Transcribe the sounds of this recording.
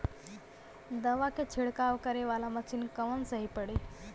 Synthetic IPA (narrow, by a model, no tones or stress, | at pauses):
d̪əʋakʰet͡ʃʰɪɽkaːʋkəɾeʋaːlamət͡ʃʰɪnkəʋənsəɦipəɽe